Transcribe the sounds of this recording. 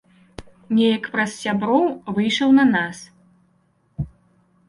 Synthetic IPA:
nʲɛjɐkpɾɐssʲabɾɔwvɨjʂɐwnɐnas

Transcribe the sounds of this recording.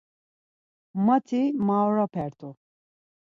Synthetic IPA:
mat̪ʰimawɾapʰɛɾt̪ʰʼu

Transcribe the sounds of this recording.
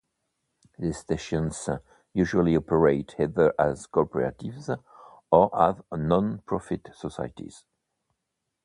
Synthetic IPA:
ðɨsteʃə̃nz̥ | jʉʒuəlˠiɔpʰəɹeɪthɛðə˞ʔəz̥kʰɔpəɹa̰tɪvz | əəvnɔ̃npʰɹ̥ɔfɪtsɔsa̰ɪtʰḭz̥

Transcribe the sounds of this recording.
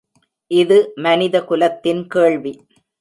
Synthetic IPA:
ʔɪðɯmɐnɪðɐkʊlɐt̪ːɪnkeːɭʋi

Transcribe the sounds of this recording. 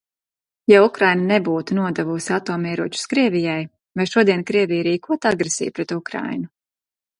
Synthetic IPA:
jaukɾajnanɛbuːt̪unuɔd̪ɛvusʲat̪oːmɛːɾuɔt͡ʃu̥skɾiɛvʲijaj | vajʃuɔd̪iɛnkɾiɛvijaɾiːkuɔt̪aɡɾesḭjpɾɛt̪ukɾa̰jnu

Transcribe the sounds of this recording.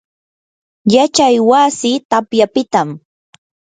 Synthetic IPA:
jat͡ʃajwasɪt̪apjapɪt̪am

